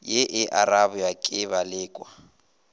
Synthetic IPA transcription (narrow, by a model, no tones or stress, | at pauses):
jeʔɪʔaɾabʊjakʼɪβalɪːkʼwa